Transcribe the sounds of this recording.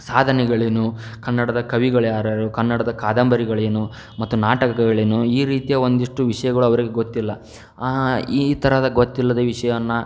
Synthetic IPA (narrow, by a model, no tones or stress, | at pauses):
saːd̪ʱɐnɛɡɐɭenukɐnːɐɽɐd̪ɐkɐʋiɡɐɭjaːɾɐɾukɐnːɐɽɐd̪ɐkaːd̪ɐmbʱɐɾiɡɐɭenu | mɐt̪ːunaːʈɐkɐkɐɡɐɭenuiːɾiːt̪ijɐo̞nd̪iʂʈuʋiʂɐjɐɡɐɭuɐʋɐɾiɡe̞ɡot̪ːilːɐ | iːt̪ʰɐɾɐd̪ɐɡot̪ːilːɐd̪eʋiʂɐjɐʋɐnːɐ